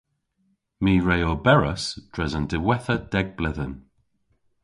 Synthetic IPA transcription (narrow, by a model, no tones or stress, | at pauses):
miːɹejobɛɹəsd̥ɹɛzəndɪwɛθəd̥ɛɡ̚blɪðən